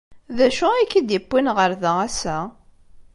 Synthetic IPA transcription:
ðæʃuækːid̪jəpːinʁəɾðææsæ

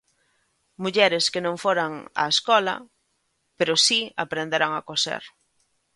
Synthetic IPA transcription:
muʎɛɾeskenõŋfoɾaŋa̰eskɔla̰ | peɾosiapɾend̪eɾaŋakosḛɾ

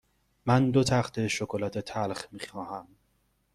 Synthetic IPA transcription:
mænd̪ot̪ʰæχt̪ʰe̞ʃokʰolæt̪ʰet̪ʰælχmiːxɒːhæm

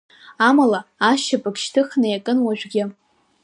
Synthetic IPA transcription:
amalaːʃapʼakʃtʰɨχnajakʼɨnwaʒᶣʷɡʲɪ

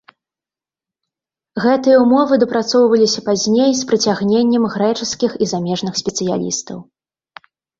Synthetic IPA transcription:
ɣɛt̪ɨjɐwumɔvɨd̪ɐpɾat̪sɔwvɐlʲisʲɐpazʲnʲejspɾɨt͡sʲaɣnʲenʲːɛmɣɾɛt͡ʂɨskʲixizamʲɛʐnɨxsʲpʲɛt̪sɨja̰lʲḭst̪ɐ̰w

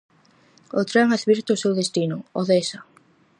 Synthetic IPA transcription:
ot̪ɾɛŋaðβiɾt̪ʊsewðest̪inʊɔðesa

